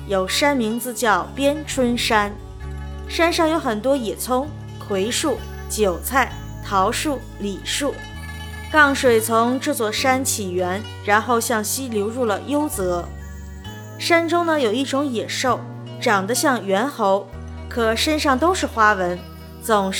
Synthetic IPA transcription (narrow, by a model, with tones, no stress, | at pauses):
jo˨˩ʊʂa˥nmi˧˥ŋt͡sɹ̩˧t͡ɕjɑ˥˩ʊpjɛ˥nʈ͡ʂʰwə˥nʂa˥n | ʂa˥nʂɑ˥˩ŋjo˧˥ʊxə˨˩nt̪wɔ˥jɛ˨˩t͡sʰʊ˥ŋ | kʰwe˧˥ɪʂu˥˩ | t͡ɕjo˨˩ʊt͡sʰa˥˩ɪ | t̪ʰɑ˧˥ʊʂu˥˩ | li˨˩ʂu˥˩ | kɑ˥˩ŋʂwe˨˩ɪt͡sʰʊ˧˥ŋʈ͡ʂɤ˥˧t͡swɔ˥˩ʂa˥nt͡ɕʰi˨˩ɥɛ˧˥n | ɻa˧˥nxo˥˧ʊɕjɑ˥˩ŋɕi˥ljo˧˥ʊɻu˥˩lə̰˩jo˥ʊt͡sɤ˧˥ | ʂa˥nʈ͡ʂʊ˥ŋnə˨jo˨˩ʊi˥˩ʈ͡ʂʊ˧˥ŋjɛ˨˩ʂo˥˩ʊ | ʈ͡ʂɑ˨˩ŋd̪ə˦ɕjɑ˥˩ŋɥɛ˧˥nxo˧˥ʊ | kʰɤ˨˩ʂa˥nʂɑ˥˩ŋt̪o˥ʊʂɻ̩˥˩xwa˥wə˧˥n | t͡sʊ˨˩ŋ